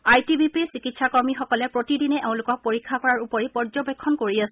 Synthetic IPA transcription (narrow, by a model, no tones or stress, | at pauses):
ajtibʱipisikitsakɔɹmixɔkɔlɛpɹotidinɛʔeʊ̃lʊkɔk̚poɹikʰːakɔɹaɹupɔɹipɔɹzɔbɛkʰːɔnkoɹiasɛ